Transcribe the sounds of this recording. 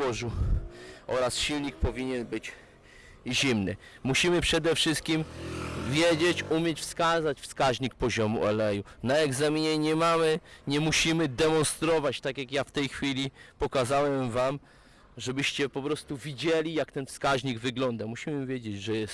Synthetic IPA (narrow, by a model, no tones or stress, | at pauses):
ɔʐu | ɔɾasɕilɲik̚pɔvʲiɲɛnbɘt͡ɕ | ʑimnɘ̰muɕimɘpʂɛd̪ɛfʂɘst̪̚kʲimvʲjed͡ʑet͡ɕumʲjɛt͡ɕfskazat͡ɕfskaʑɲik̚pɔʑɔmṵʔɔlɛjunaɛɡzamʲiɲɛɲɛmamɘɲɛmuɕimɘd̪ɛmɔnst̪ɾɔvat͡ɕt̪akʲjakjaft̪ɛjxfʲilʲipɔkazawɛmvam | ʐɛbɘɕt͡ɕɛpɔpɾɔst̪uvʲid͡ʑelʲijakt̪ɛnfskaʑɲiɡvɘɡlɔnd̪amuɕimɘvʲjɛd͡ʑed͡ʑʐɛjɛst̪